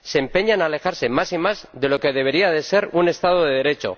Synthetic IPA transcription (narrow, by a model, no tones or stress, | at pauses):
seːmpe̞ɲanale̞xaɾse̞masimazðe̞lo̞ke̞ð̞e̞βe̞ɾiaðe̞se̞ɾune̞st̪að̞oðeðe̞ɾe̞t͡ʃo̞̰